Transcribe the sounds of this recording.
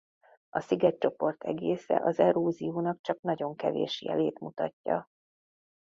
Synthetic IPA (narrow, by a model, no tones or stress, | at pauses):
ɒsiɡɛc̚t͡ʃo̞po̞rt̪ʰɛɡeːsɛ̰ʔɒzɛɾoːzijuːnɒkt͡ʃɒknɒɟo̞ŋkɛvḛːʃjɛ̰leːt̪mut̪ɒcːɒ